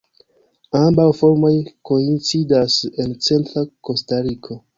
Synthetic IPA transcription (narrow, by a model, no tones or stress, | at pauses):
ambawfo̞ɾmo̞jko̞int͡sidase̞nt͡se̞ntɾako̞staɾikʰo̞